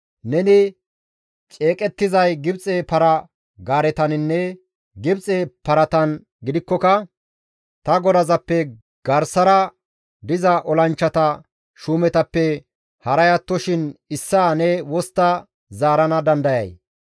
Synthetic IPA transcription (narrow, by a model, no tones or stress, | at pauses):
nɛnɪ | t͡ʃʼe̞ːkʼɛt̪ːɪzɐjɡɪbt͡sʼepɐɾɐ | ɡaːɾɛt̪ɐnɪnːɛ | ɡɪbt͡sʼepɐɾɐt̪ɐn | ɡɪd̪ɪkːɔkɐ | t̪ɐɡɔd̪ɐzɐpːɛ | ɡ̥ɐɾsɐɾɐ | d̪ɪzɐʔɔlɐnt͡ʃːɐt̪ɐ | ʃuːmɛt̪ɐpːɛ | hɐɾɐjɐt̪ːɔʃɪnɪsːaːnɛwɔst̪ːɐ | zaːɾɐnɐd̪ɐnd̪ɐjɐ̰j